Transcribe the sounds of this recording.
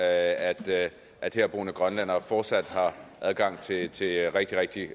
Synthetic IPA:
æd̥ | ʔæd̥heɐ̰b̥o̝ːnəɡ̥ʁɶnlæn̰ɐfɒːd̥sæd̥hɑ̈ʔæð̞ˠɡ̥ɑ̈ŋ̰t͡sʰe̝t͡sʰe̝ʁeɡ̥̚d̥iʁeɡ̥̚d̥i

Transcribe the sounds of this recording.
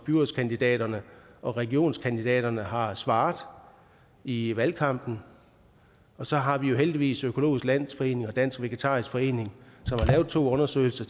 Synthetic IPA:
b̥yɐskʰænd̥id̥ɛ̰ːɾ̥ɐnəʔɒ̽ʁɛɡ̥io̝̰ːnskʰænd̥id̥ɛ̰ːɾ̥ɐnəɦɑ̈sʋɑ̈ːðˠ | iʋælkʰɑ̈m̰b̥n̩ | ɒ̽sɒ̽ɦɑ̈ʋijo̝ɦeld̥iʋḭːsøkʰo̝lo̝̰ːisɡ̥læn̰sfɒ̽e̝̰ːne̝ŋɒ̽d̥æn̰sɡ̥ʋeɡ̥et͡sʰɑ̈ːisɡ̥fɒ̽e̝̰ːne̝ŋsɒ̽mhɑ̈lɛːʊð̥̩ˠt͡sʰo̝̰ːɔ̽nɐsø̰ːɪl̩sɐ

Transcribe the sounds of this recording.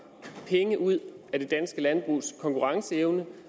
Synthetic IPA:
pʰeŋəʔuð̰ˠæd̥e̝d̥ænsɡ̥əlænb̥ʁṵːskʰɒ̽ŋkʰuʁɑ̈ŋsəeʊnə

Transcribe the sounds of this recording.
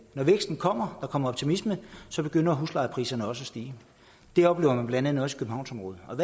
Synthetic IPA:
nɒʋeɡ̥sd̥n̩kʰɒ̽m̰ɐd̥ɑ̈kʰɒ̽m̰ɐɒ̽b̥t͡sʰimisməð̩ˠsɒ̽b̥e̝ɡ̥øn̰ɐːɦuslɑ̈ɪəpʰʁḭːsɐnəɒ̽səɒsd̥iː | d̥e̝ɒ̽b̥le̝ːʊɐmænb̥lænd̥ænð̩ˠɒ̽si̥kʰøb̥m̩ɑ̈ʊ̰nsɒ̽mʁɔ̽ːð̩ˠɒ̽ʋ

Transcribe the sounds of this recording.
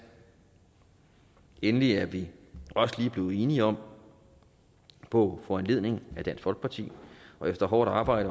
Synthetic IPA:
enəliæɐʋiɒ̽səliːb̥le̝ːð̞̩ˠe̝ːniɒ̽m̰ | pʰɒ̽fɒænle̝ð̰ˠne̝ŋ̩æd̥æn̰sfɒ̽lɡ̥̚pʰɑ̈t͡sʰḭːɒ̽efd̥ɐɦɒːɾ̥ɑ̈ːb̥ɑ̈ɪ̰ɾ̥ə

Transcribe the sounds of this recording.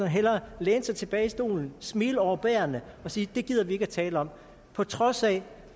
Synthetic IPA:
ɒnɦel̰ɐleːnsɑ̈ɪt͡sʰe̝b̥ɛːɪisd̥o̝̰ːln̩smiːləɒʊɐb̥æːɐnəɒ̽siːd̥e̝ɡ̥ið̞̰ˠɐʋie̝ɡ̥æt͡sʰɛːləɒ̽m̰ | pʰɒ̽t͡sʰʁɒ̽sɛ

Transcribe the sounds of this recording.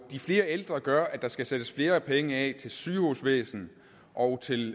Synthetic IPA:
d̥ifle̝ːɐeld̥ʁɐɡ̥ɶɐʔæ̥d̥ɑ̈sɡ̥æsed̥əsfle̝ːɐpʰeŋəɛ̰t͡sʰe̝lsyːhusʋḛːsn̩ | ʔɒ̽ʊt͡sʰe̝l

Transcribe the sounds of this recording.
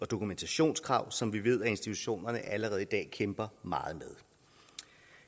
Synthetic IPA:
ɒ̽d̥o̝kʰument͡sʰæɕo̝̰ːnskʰʁɑ̈ʊ̰sɒ̽mʋiʋe̝ð̞̰ˠæe̝nsd̥it͡sʰu̥ɕo̝̰ːnɐnəʔæləʁɛːðˠid̥ɛ̰ːkʰemb̥ɐmɑ̈ːð̩ˠmeðˠ

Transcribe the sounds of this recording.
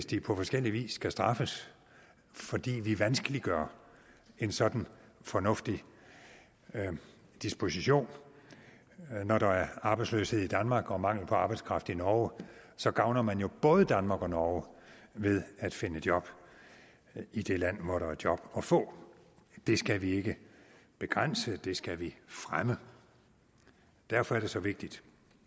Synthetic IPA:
esd̥ipʰɒ̽fɒ̽sɡ̥el̰iʋḭːsːɡ̥æsd̥ʁɑ̈fəs | fɒ̽d̥ḭːʋiʋænsɡ̥əliɡ̥ɶɐ | e̝nsɒ̽d̥n̩fɒ̽nɔ̽fd̥i | d̥isb̥o̝siɕo̝̰ːn | nɒɾɑ̈æɐɑ̈ːb̥ɑ̈ɪ̥slø̰she̝ð̰ˠid̥ænmɑ̈ːɡ̥ɒ̽mɑ̈ŋ̰l̩pʰɒ̽ɑ̈ːb̥ɑ̈ɪ̥skʰʁɑ̈fd̥̩ˠinɒːsɒ̽ɡ̥ɑ̈ʊnɐmænjo̝b̥ɔ̽ːð̞ˠəd̥ænmɑ̈ːɡ̥ɒ̽nɒːʋe̝ð̞ˠæd̥fe̝nəd̥jɒ̽b̥ | id̥e̝læn̰ʋɒɾɑɐd̥jɒ̽b̥ɒ̽fɔ̰̽ː | d̥e̝sɡ̥æʋie̝ɡ̥əb̥e̝ɡ̥ʁan̰səd̥e̝sɡ̥æʋifʁamə | d̥æɐfɒæɐɾ̥e̝sɒ̽ʋe̝ɡ̥̚d̥id̥

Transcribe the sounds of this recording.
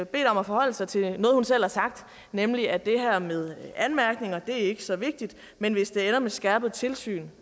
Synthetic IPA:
b̥e̝̰ːd̥ɒ̽mæfɒ̽hɒ̽l̰əsɑ̈ɪt͡sʰe̝nɔ̽ːð̩ˠhunsel̰hɑ̈sɑ̈ɡ̥̚d̥ | nemliæd̥e̝ɦæɐmeð̞ˠænmæɐɡ̥ne̝ŋɐd̥e̝æɐe̝ɡ̥əsɒ̽ʋe̝ɡ̥̚d̥id̥ | menʋe̝sd̥e̝enɐmesɡ̥æɐb̥ð̞̩ˠt͡sʰe̝lsy̰ːn

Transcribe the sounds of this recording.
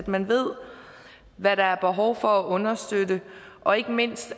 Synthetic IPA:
d̥mænʋe̝ð̰ˠ | ʋæɾ̥ɑ̈æɐb̥e̝ɦɒʊfɒ̽æʔɔ̽nɐsd̥ødəʔɒ̽e̝ɡ̥əme̝n̰sd̥

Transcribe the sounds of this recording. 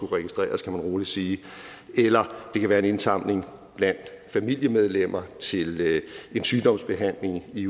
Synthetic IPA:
kuʁɛɡ̥isd̥ʁɛ̰ːɐskʰæmænʁo̝ːli̥siːelɐd̥e̝kʰæʋæːɐe̝ne̝nsɑ̈m̰le̝ŋ | b̥læn̰d̥fæmil̰jəmeð̞ˠlem̰ɐt͡sʰe̝le̝nsyːd̥ɒ̽m̰sb̥e̝ɦæn̰le̝ŋi

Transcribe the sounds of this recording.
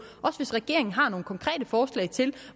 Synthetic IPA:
ʔɒ̽səʋe̝sʁɛɡ̥e̝ɐ̰eŋn̩ɦɑ̈no̝ːnəkʰɒ̽ŋkʰʁɛ̰ːd̥əfɒːslɛ̰ɪt͡sʰe̝l

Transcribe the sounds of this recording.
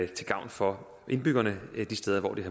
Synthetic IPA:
t͡sʰe̝ɡ̥ɑ̈ʊ̰nfɒ̽ | ʔe̝nb̥yɡ̥ɐnəd̥isd̥eð̞ˠɐʋɒ̰ːd̥ihæ

